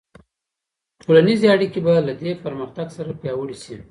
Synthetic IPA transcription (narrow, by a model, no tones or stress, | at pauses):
ʈʰolanizeaɽikebalad̪epəɾməxt̪aɡsaɾapjɑwəɽiʃi